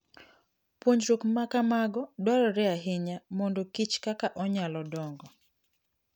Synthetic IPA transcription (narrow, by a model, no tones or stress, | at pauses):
pwoɲd͡ʒɾukmakamaɡɔdwaɾɔɾɛaɦɪɲamɔndɔkit͡ʃkakaʔɔɲalɔdɔŋɡɔ